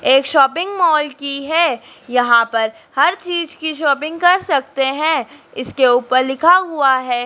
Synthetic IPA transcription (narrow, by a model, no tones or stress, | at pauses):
eːkʃɔːpɪ̃ŋɡmɔːlkiɦɛː | jɐɦãpɐɾ | hɐɾt͡ʃiːzkiʃɔːpɪ̃ŋɡkɐɾsɐk̚t̪eɦɛ̃ɪskeuːpəɾlɪkʰaɦʊaɦɛː